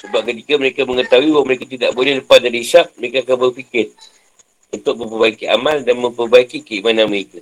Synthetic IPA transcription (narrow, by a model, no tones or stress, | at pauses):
səbap̚kət̪ikaməɾekamə̃ŋət̪awiwaməɾekat̪idaʔbolɛhləpas̚daɾiʃap̚məɾekaːkanbərfikɪr | unt̪ʊk̚mə̃mpəbaikia̰mãldanmə̃mpərbaikikəimanãnməɾeka